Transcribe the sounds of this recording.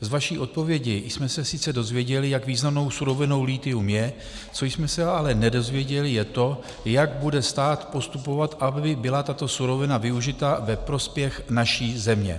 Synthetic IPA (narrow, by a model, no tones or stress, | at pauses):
zvaʃiːʔo̞t̪̚po̞vjɛɟɪjsmɛsɛsɪt͡sɛdo̞zvjɛɟɛlɪjaɡviːznamno̞wsuɾo̞vɪno̞wliːt̪ɪumjɛ | t͡so̞jsmɛsɛalɛnɛdo̞zvjɛɟɛlɪjɛt̪o̞ | jaɡbudɛst̪aːt̪po̞st̪upo̞vat̪ʔabɪbɪlat̪at̪o̞suɾo̞vɪnavɪuʒɪt̪avɛpɾo̞spjɛxnaʃiːzɛmɲɛ̰